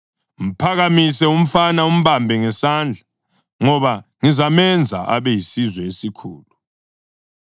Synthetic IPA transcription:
ŋ̩pʰaɣamisɛum̩fanaum̩βambʱɛŋɛsand͡ɮʱa | ŋɔβaŋizamɛnd͡zʱaʔa̰βɛjisizɛesikʰuːlu

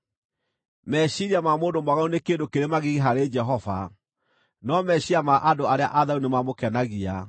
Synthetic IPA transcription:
mɛɕiɾiamamoːndomaɣaunekeːndokeɾemaɣiɣeɦaɾed͡ʒɛɦɔva | nɔmɛɕiamaʔadoaɾeaʔaðaunemamokɛnaɣia

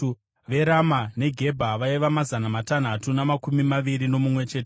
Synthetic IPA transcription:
ʋe̞ɾamane̞ɡʱe̞bʱaʋaiʋamazanamatan̤atunamakumimaʋiɾino̞mumwe̞t͡ʃe̞ːte

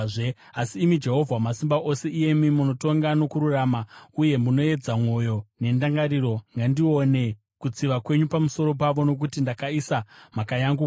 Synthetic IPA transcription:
e | asiːmid͡ʒe̞ɦo̞vʱwamasimbaʔo̞se̞ʔije̞mimuno̞to̞ŋɡano̞kuɾuraːmauje̞muno̞e̞d͡zamwo̞jo̞ne̞ndaŋɡaɾiɾo̞ŋɡandio̞ne̞ | kut͡siʋakwe̞ɲupamuso̞ɾo̞paʋo̞no̞k̬utindakaisamakajaŋɡu

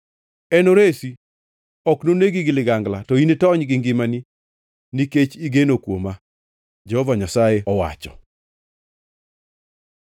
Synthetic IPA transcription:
ɛnoɾesi | ɔknoneɡiɡɪlɪɡaŋɡlatɔinetɔɲɡɪŋɡɪmani | niket͡ʃiɡenokwoma | d͡ʒɛhɔvaɲasajeɔwa̰t͡ʃɔ̥̰

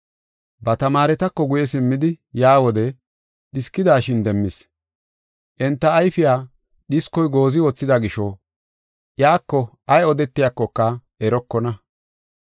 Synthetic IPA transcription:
bɐt̪ɐmaːɾɛt̪ɐkːɔɡʊjɛsɪmːɪd̪ɪjaːwɔd̪ɛ | ɗɪskːɪd̪aːʃɪnd̪ɛmːɪs | ʔɛnt̪ːɐːjfɪjaː | ɗɪskːɔjɡo̞ːzɪwɔt͡sːɪd̪aɡɪʃɔ | jaːkːɔ | ɐjɔd̪ɛt̪ːɪjakːɔkːɐ | ɛɾɔkːɔnɐ

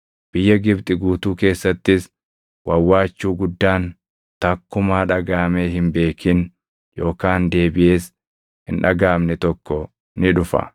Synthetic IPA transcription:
b̥ɪjːɐɡɪbt̪ʼɪɡuːt̪uːke̞ːsːɐt̪ːɪs | wɐwːaːt͡ʃːuːɡʊd̪ːaːn | t̪ɐkːʊmaːᶑɐɡaːmeːɦɪmbe̞ːkʰɪn | jo̞ːkaːnd̪e̞ːbɪʔeːs | hɪnᶑɐɡaːmnɛt̪ɔkːɔ | nɪᶑʊfɐ̰

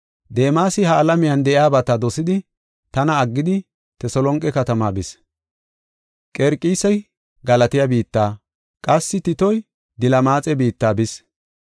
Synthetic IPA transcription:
d̪eːmaːsɪhɐːlɐmɪjɐnd̪ɛʔɪaːbɐt̪ɐd̪ɔsɪd̪ɪ | t̪ɐnɐːɡːɪd̪ɪ | t̪ɛsɔlɔŋkʼːɛkɐt̪ɐmaːbɪs | kʼɛɾkʼiːsɐj | ɡɐlɐt̪ɪjɐbiːt̪ːaː | kʼɐsːɪt̪ɪt̪ɔj | d̪ɪlɐmaːt͡sʼɛbiːt̪ːaːbɪs

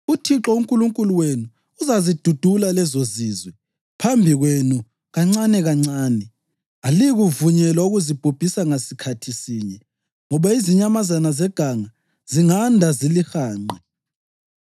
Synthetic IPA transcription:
utʰiǁɔuŋkʼuluŋkʼuluwenuː | zazid̥ʱud̥ʱulalɛzoziːzwɛ | pʰambʱiɣwenu | ɣaŋ͡ǀanɛɣaŋ͡ǀaːnɛ | aliɣuvuɲɛlauɣuzib̥ʱub̥ʱisaŋasikʰatʰisiːɲɛ | ŋɔβaiziɲamazanazɛɡ̥ʱaŋa | z̥iŋandʱazilixaːŋ͡ǃɛ

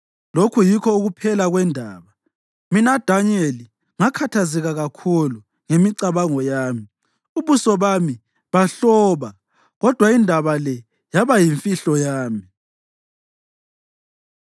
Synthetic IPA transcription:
lokʰujikʰɔuɣupʰɛlaɣwɛndʱaːβa | minad̥ʱaneli | ŋakʰatʰaziɣaɣakʰulu | ŋemiǀaβaŋɔjaːmi | uβusɔβami | βaɬɔːβa | ɣɔd̥ʱwaindʱaβalɛ | jaβajiɱfiɬɔjaːmi

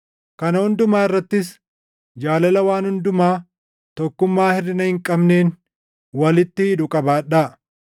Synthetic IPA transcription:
kɐnɐhʊnd̪ʊmaːɪrːɐt̪ːɪs | d͡ʒaːlɐlɐwaːnhʊnd̪ʊmaː | t̪ɔkːʊmːaːhɪrːɪnɐhɪŋkʼɐbne̞ːn | wɐlɪt̪ːɪhɪd̪ʊkʼɐbaːᶑaː

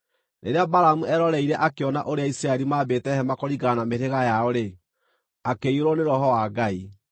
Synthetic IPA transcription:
nḛɾeabaɾamuʔɛɾɔɾɛiɾɛʔakeɔnaʔoɾeaisɾaɛɾimaːbetɛhɛmakoɾiɡanameɾeɣajaoɾe | akeioɾoneɾɔhɔwaɡai

